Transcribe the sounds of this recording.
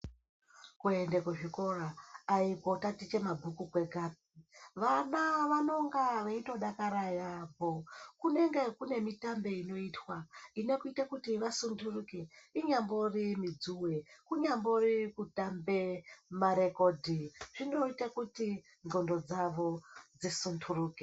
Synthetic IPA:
kuende̞kuʐiko̞raːipo̞tatit͡ʃe̞mabʱukukwe̞ɡʱaːp̚iʋanaʋano̞ŋɡaʋaito̞ɗakaɾajapokune̞ŋɡe̞kune̞mitambe̞ino̞itwaine̞kuitakutiʋasundʰurukeiɲambo̞rimid͡zuwekuɲamborikutambemaɾe̞kodʱiʐ̥ino̞itakuti | ŋɡo̞ndo̞d͡zaʋo̞d͡zisundʰuruːke

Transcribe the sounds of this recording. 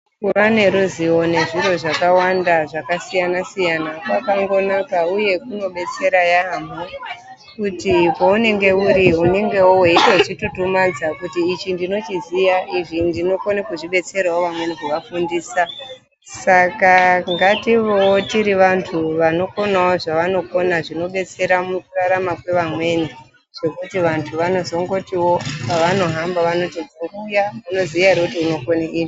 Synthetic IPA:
kuʋane̞ɾuziwo̞ne̞ʐiro̞ʐakawandaʐakasijanasijanakwakaŋɡo̞nakauje̞kuno̞ɓe̞t͡se̞ɾajaːmo | kutipo̞une̞ŋɡe̞uɾiune̞ŋɡe̞wowe̞itout͡ʃitutumad͡zakutiːt͡ʃindino̞t͡ʃizijaʔiʐindino̞konekuʐiɓe̞t͡se̞rwawoʋamwe̞nikuʋafundiːsa | sakaŋɡatiʋowotiɾiʋantʰuʋano̞ko̞nawoʐaʋano̞ko̞naʐino̞ɓe̞t͡se̞ɾamukuraɾamakwe̞ʋamwe̞ni | ʐ̥o̞kutiʋantʰuʋano̞zo̞ŋɡo̞tiwo̞paʋano̞ɦambaʋano̞tiokujamuno̞ziʋaɦiɾekutiuno̞konaʔiːni

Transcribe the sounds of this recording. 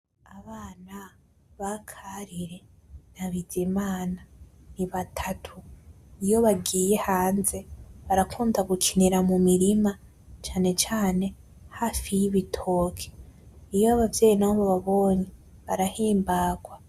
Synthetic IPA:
aβaːna | βakʰaɾiɾe̞ | naβidimaːna | niβatʰatʰu | ijo̞βaɡiːje̞haːnze̞βaɾakʰuːndaɡukʰiniɾamumiɾima | t͡ʃaːne̞t͡ʃaːne̞ | haːfijiβitʰo̞kʰe̥ijoaβavje̞ːjinaoβoβaβo̞ːɲe | βaɾahiːmbaːɡ̥wa

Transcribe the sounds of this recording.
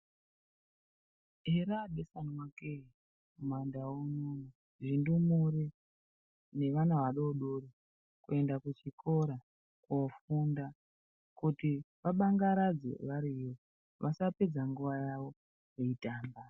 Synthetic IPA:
ɦeɾadesanwake | mwandauno | ʐindumure | ne̞ʋanaʋaɗoɗoɾo | kue̞ndakut͡ʃikʰo̞ɾa | kufunda | kuti | ʋaɓaŋɡaɾad͡zḛʋaɾijo | ʋʔasape̞d͡zaŋɡuʋajaʋo̞ | jeitaːmba

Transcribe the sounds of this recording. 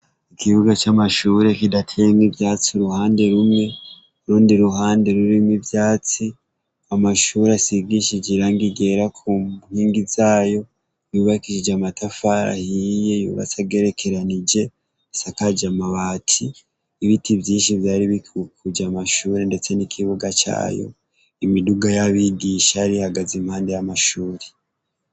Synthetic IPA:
ikʰiβuɡat͡ʃamaʃuːɾe̞kidatʰejemŋibjaːt͡siuɾuhaːnde̞ɾumŋe̞ | uɾuːndiɾuhaːnde̞ɾuɾimŋibjaːt͡si | amaʃuːɾeasiɡiʃid͡ʒiɾaːŋɡiɡe̞ɾakʰuhiːŋɡizaːjo̞ | juːβakiʃid͡ʒamatafaɾa̰hije̞jṵβa̰t͡saɡe̞ɾe̞kʰe̞ɾanid͡ʒe̞ | sakad͡ʒamaβaːtʰiː | βitivjiːnʃivjaːɾiβikukud͡ʒamaʃuːɾe̞nde̞t͡se̞nikʰiβuɡat͡ʃa̰ːjo̞̰ | imiduɡajaβiɡiʃaaɾihaɡazimhaːnde̞jamaʃuːɾe

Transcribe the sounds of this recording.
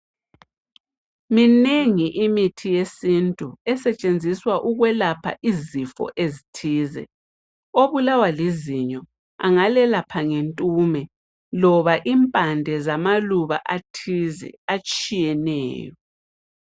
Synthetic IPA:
mineŋiʔimitʰijesintʼuɛsɛt͡ʃʼend͡zʱiswaʔuɣwɛlapʰa̰ʔizifɔ̰ʔezitʰiːzɛ̰ | oβulawaliziɲɔ | a̰ŋalɛlapʰaŋentʼuːmɛ | lɔβaʔimpʼandʱɛzamaluβa̰ʔatʰizɛ̰at͡ʃʼijɛnɛ̰ːjɔ

